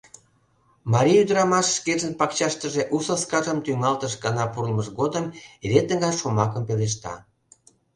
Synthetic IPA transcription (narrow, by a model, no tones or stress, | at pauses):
mɑɾʲiyd̪əɾɑmɑʃːkeʒənpɑkt͡ɕɑʃt̪əʒeʔusoskɑʒəmt̪yŋɑlt̪əʃɡɑnɑpuɾlməʃɡod̪əmeɾet̪əŋɡɑjʃomɑkəmpeleʃ̬t̪ɑ̰